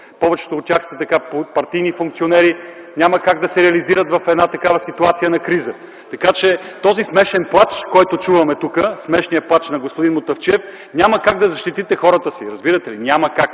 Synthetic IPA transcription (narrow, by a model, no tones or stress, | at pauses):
pɔvɛt͡ʃɛ̥t̪oːt̪t̪ːʲjaxsɐt̪ɐkapopɐɾt̪ijnifuŋk̪̚sionɛɾi | nʲaməkaɡd̪ɐsɛɾɛɐliziɾət̪vɐfɛd̪nat̪ɐkavɐsit̪uat̪sijənɐkɾizə | t̪ɐkat͡ʃɛt̪ɔzismɛʃɛnplˠat͡ʃkɔjt̪ot͡ʃuvɐmɛt̪ukəsmɛʃnijɐplˠat͡ʃnɐɡospʊd̪inmot̪ɐft͡ʃɛf | nʲaməkaɡ̚d̪ɐzɐʃt̪it̪it̪ɛxɔɾət̪əsiɾɐzbiɾət̪ɛlinʲaməkak